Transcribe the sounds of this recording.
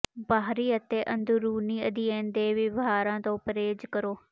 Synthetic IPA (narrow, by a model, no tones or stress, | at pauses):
baːɦɾiːət̪eːʔə̃nd̪uɾuːniːəd̪iːẽːnd̪eːʋɪʋɦaːɾãːt̪õːpəɾeːd͡ʒkəɾoː